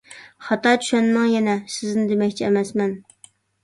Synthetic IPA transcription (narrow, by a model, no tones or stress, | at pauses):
χɑt̪ɑt͡ʃʰy̥ʃɛnmɛŋjɛnɛsɪznɪd̪emɛkʲt͡ʃʰiɛmɛsmɛn